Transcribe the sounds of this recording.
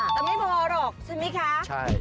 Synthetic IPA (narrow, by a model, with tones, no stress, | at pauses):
t̪a˨˧˩ma˥˩jbɔ˧ɔː˧˦ɾɔː˨˩k̚sʰa˨˩ma˦˥kʰa˦˥a˥